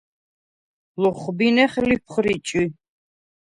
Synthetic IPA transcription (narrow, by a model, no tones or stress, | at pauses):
lɔχbinɛχlip̚ʰχɾit͡ʃʼi